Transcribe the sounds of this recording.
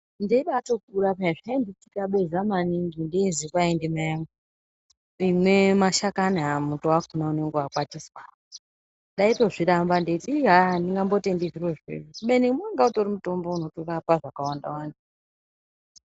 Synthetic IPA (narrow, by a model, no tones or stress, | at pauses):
ndeiɓato̞k̚uɾapaiʐainditikaɓezamaniŋɡindeizikwaendimajaŋo | imwe̞maʃakanaamutoakunauneŋɡeakwatiswa | ndɗaitoʐiɾambandetiiɦandiŋɡambo̞tendiʐiroʐḛʐokuɓenimwaŋɡautoɾimuto̞mbo̞uno̞torapaʐakawanda̰wandi